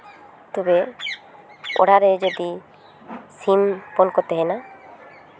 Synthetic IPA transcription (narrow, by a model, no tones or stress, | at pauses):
t̪ubɛ | ɔ̰ɽaɾɛd͡ʒɔd̪i | simpɔnkɔt̪ɛɦɛna